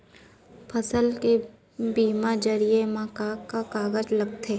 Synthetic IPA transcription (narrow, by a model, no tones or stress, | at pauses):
pʰəsəlke | biːmad͡ʒəɾiemãːkakakaːɡəd͡ʒləɡ̚t̪ʰeː